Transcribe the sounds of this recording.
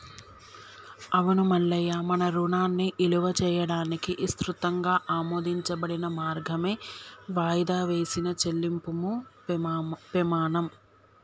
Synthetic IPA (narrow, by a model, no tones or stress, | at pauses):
ɐʋɐnumɐɭːɐjɐmɐnɐɾunaːnːiʔiluʋɐt͡ʃɛːjɐɽaːnikiʔist̪ɾut̪ɐŋɡaːʔaːmoːd̪iɲt͡ʃɐbɐɽinɐmaːɾɡʱɐme̞ːʋaːjd̪aːʋe̞ːsinɐt͡ʃelːimpumu | pimaːnɐm